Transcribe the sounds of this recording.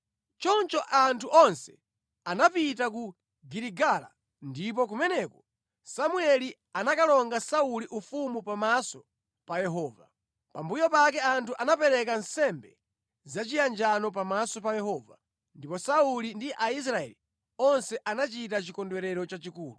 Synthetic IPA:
t͡ʃɔnt͡ʃɔʔantʰuʔɔnsɛ̥ | anapitaku | ɡiɾiɡala̰ | ndip̬ɔk̬umɛnɛkɔ̥ | samuɛli | anakalɔŋɡasauliʔufumupamasɔ̥ | pajɛɦɔːva̰ | pambujɔpakɛantʰuʔanapɛɾɛk̬ansɛmbɛ | zat͡ʃijand͡ʒanɔp̬amasɔp̬ajɛɦɔːva | ndipɔsaulindiʔais̬ɾaɛ̰li | ɔnsɛʔanat͡ʃitat͡ʃikɔndwɛɾɛɾɔt͡ʃat͡ʃikuːlu

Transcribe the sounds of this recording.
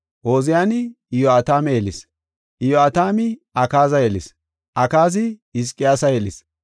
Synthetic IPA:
ʔo̞ːzɪjaːn | ɪjoat̪aːmeelɪs | ʔɪjoat̪aːmɪɐkaːzɐjɛlɪs | ʔɐkaːzɪɪs̬kʼːɪjaːsɐjɛlɪs

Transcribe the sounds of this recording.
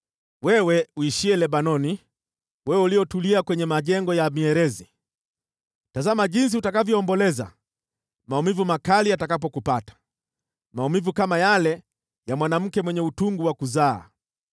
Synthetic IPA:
wɛwɛuiʃiɛlɛɓanɔni | wɛwɛulijɔtuliakwɛɲɛmaʄɛŋɡɔjamiɛɾɛzi | tazamaʄins̬ihutakavjɔɔmbɔlɛza̰ | maumivumakalijatakapɔkupatḁ | maumivukamajalɛ | jamwanam̩kɛmwɛɲɛutuŋɡuwakuza̰ː

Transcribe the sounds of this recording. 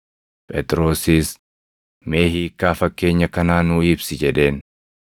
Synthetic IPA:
pʼɛt̪ʼɾo̞ːsiːs | me̞ːhiːkːaːfɐkːe̞ːɲːɐkɐnaːnuːɪbsɪd͡ʒɛᶑe̞ːn

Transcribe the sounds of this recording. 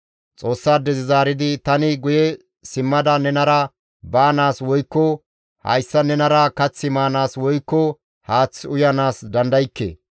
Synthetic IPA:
t͡sʼo̞ːsːaːd̪ɛzɪzaːɾɪd̪ɪt̪ɐnɪɡʊjɛ | sɪmːɐd̪ɐnɛnɐɾɐ | baːnaːswɔjkːɔ | hɐ̰jsːɐnɛnɐɾɐkɐt͡sːɪmaːnaːswɔjkːɔ | haːt͡sːʊjɐnaːsd̪ɐnd̪ɐjɪkːḛː

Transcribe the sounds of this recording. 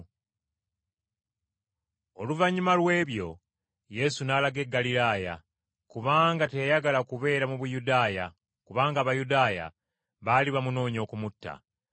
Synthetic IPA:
o̞luvaɲːimalwe̞ːβjo̞̰ | je̞sunaːlaɡe̞ɡːalilaːja̰ | kuβaːŋɡate̞jaɡalakuβe̞ːɾamuβujudaːja | kuβaːŋɡaːβajudaːja̰ | βaːliβamuno̞ːɲo̞kumutːa̰

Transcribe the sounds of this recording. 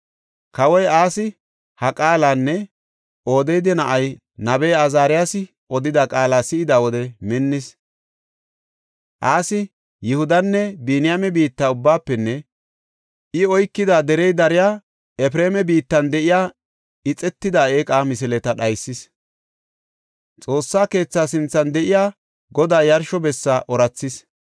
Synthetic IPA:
kɐwɔjaːsɪ | hɐkʼaːlaːnːɛ | ʔo̞ːd̪ɛjd̪ɪnɐʔɐj | nɐbɛːɐzaːɾɪjasɪ | ʔɔd̪ɪd̪ɐkʼaːlaːsɪɪd̪aːwɔd̪ɛmɛnːɪs | ʔaːsɪ | jɪhʊd̪ɐnːɛbiːnɪjamɛbiːt̪ːaːʊbːaːpːɛnːɛ | ʔɪɔjkːɪd̪ad̪ɛɾɛjd̪ɐɾɪjaː | ɛpɾeːmɛbiːt̪ːɐnd̪ɛʔɪjaː | ɪt͡sʼɛt̪ːɪd̪ae̞ːkʼaːmɪsɪlɛt̪ɐɗɐjsːɪs | t͡sʼo̞ːsːaːke̞ːt͡sːaːsɪnt͡sːɐnd̪ɛʔɪjaː | ɡɔd̪aːjɐɾʃɔbɛsːaʔɔɾɐt͡sːɪs

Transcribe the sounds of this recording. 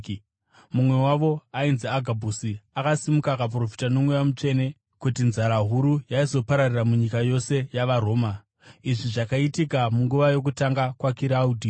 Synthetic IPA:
mumwe̞waʋo̞ainziaɡʱabʱusiakasimukakap̬ro̞fi̥tano̞mweʋamut͡ʃe̞ne̞ | kutinzaɾaɦuɾujaizo̞paɾariramuɲikajo̞se̞jaʋaɾo̞ːma | iʐiʐakaitikamuŋɡuʋajo̞k̬utaŋɡakwakiɾauːdʱi

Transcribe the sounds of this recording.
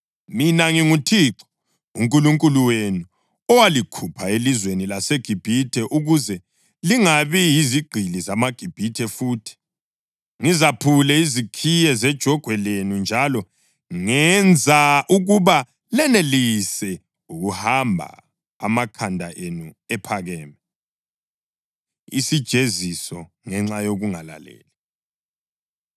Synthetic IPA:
minaŋiŋutʰiːǁɔ̥ | ṵŋkʼuluŋkʼuluwenu | ɔwalikʰupʰaelizwenilaseɡ̥ʱib̥ʱitʰɛʔuɣuzɛ | liŋaβijiziɡ͡ǃʱilizamaɡ̥ʱib̥ʱitʰɛfuːtʰi̥ | ŋizapʰulɛizikʰijɛzɛd̥ʒ̥ʱɔɡ̥ʱwɛlenund͡ʒʱalɔ | ŋɛnd͡zʱaʔuɣuβa | lɛnelisɛ | uɣuhambʱa̰ | a̰makʰandʱaʔenu | ɛpʰaɣɛːmɛ | isid̥ʒ̥ʱezisɔ | ŋɛŋ͡ǁajoɣuŋala̰lḛːli

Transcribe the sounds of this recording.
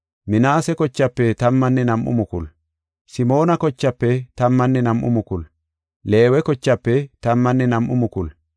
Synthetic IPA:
mɪnaːsɛkɔt͡ʃːɐpːɛt̪ɐmːɐnːɛnɐmʔʊ̰mʊkʊl | sɪmo̞ːnɐkɔt͡ʃːɐpːɛt̪ɐmːɐnːɛnɐmʔʊ̰mʊkʊl | le̞ːwɛkɔt͡ʃːɐpːɛt̪ɐmːɐnːɛnɐmʔʊ̰mʊkʊl

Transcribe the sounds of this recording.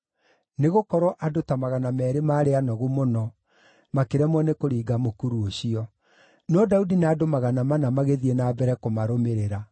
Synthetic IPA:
neɣokɔɾɔʔadotamaɣanamɛːɾemaːɾeanɔɣumonɔ | makeɾɛmwɛnekoɾiːɡamokuɾuoɕiɔ | nɔdaudinaːdomaɣanamanamaɣeðienaːbɛɾɛkomaɾomeɾeɾa

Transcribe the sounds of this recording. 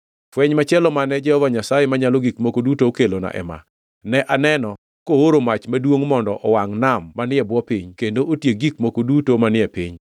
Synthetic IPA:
fwɛɲmat͡ʃɛlɔmanɛd͡ʒɛhɔvaɲasajemaɲalɔɡikmokodutookelona̰ʔɛ̰ma̰ | nɛʔanɛnɔ | kooɾomat͡ʃmadwoŋmɔndɔʔɔwaŋnamːanɪɛbwɔpiɲkendoʔotjeɡikmokodutomanɪɛpiɲ

